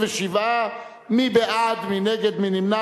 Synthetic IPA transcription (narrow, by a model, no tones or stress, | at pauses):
veʃiva | mibeʔad̪mineɡed̪minimna